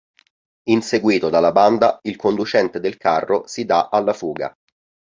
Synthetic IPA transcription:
inseɡwiːt̪od̪alːaband̪ailkond̪ut͡ʃɛnt̪ed̪elkarːosid̪aʔalːafuːɡa̰

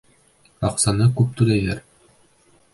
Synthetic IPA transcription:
ɑqsɑnɤkʉp̚t̪ʉlæjæɾ

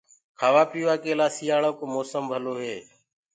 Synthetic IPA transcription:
kʰaːʋaːpiːʋaːkeːlaːsiːaːɭoːkoːmoːsəmbʱəloːɦeː

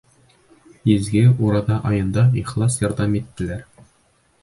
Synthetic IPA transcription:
izɡɘuɾɑd̪ɑʔɒjɤ̆nd̪ɑiχlˠɑsjɒ̆ɾd̪ɑmit̪ːɘ̆læɾ

